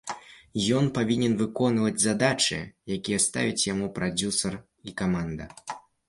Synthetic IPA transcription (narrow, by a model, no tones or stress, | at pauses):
jɔnpavʲinʲɛnvɨkɔnvɐd͡zʲzad̪at͡ʂɨ̰jakʲijɛst̪a̰vʲit͡sʲjamupɾad͡zʲusɐr | ikamand̪ɐ̰